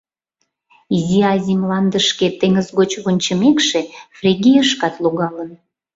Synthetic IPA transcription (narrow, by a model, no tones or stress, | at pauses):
iziɑzʲimlɑnd̪əʃket̪eŋəzɣot͡ɕβonʲt͡ɕəmekʃefrʲeɣʲijəʃkɑt̪loɣɑlən